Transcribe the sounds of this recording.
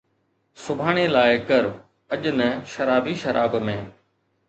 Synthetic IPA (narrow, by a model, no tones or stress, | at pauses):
sʊbʱaːɽ̃eːlaːɪkəɾ | əʄnəʃɐɾaːbiʃɐɾʔaːbmẽː